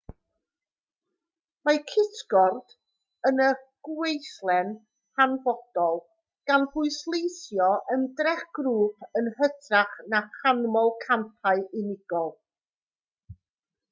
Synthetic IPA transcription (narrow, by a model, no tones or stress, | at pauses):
makʰɪtɡ̥ɔrd̥ | ənəɡ̥wejθlˠɛn | hanvɔd̥ɔlˠ | ɡ̥anbʊɨslˠejθjɔʔəndrɛχɡ̥ruːpʰənhətʰraχnaχanmɔlˠkʰampʰaɨʔɪnɪɡ̥ɔlˠ